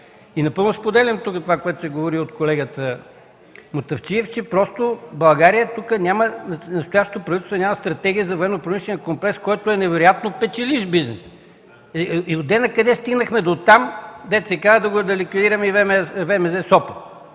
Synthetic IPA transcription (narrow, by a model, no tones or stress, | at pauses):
inɐpɤlˠnʊspod̪ɛlʲɐmt̪ukət̪ovakoɛt̪ʊ̥sɛɡovoɾiot̪kolɛɡət̪ə | mot̪ɐft͡ʃiɛft͡ʃɛpɾɔst̪obɐlˠɡaɾijət̪ukənʲamənnɐst̪ʊjaʃt̪ot̪opɾɐvit̪ɛst̪vonʲamɐst̪ɾɐt̪ɛɡʲiəzɐvoɛnːopɾomiʃlɛnjəkomplɛkskɔjt̪oɛnɛvɛɾojat̪nopɛt͡ʃɛliʃbiznɛs | iod̪ɛnɐkɐd̪ɛst̪iɡnəxmɛd̪ot̪amd̪ɛt̪sɛkazəd̪ɐɡod̪ɐlikvid̪iɾɐmɛivɛmɛvɛmɛzɛsɔpə̥t̪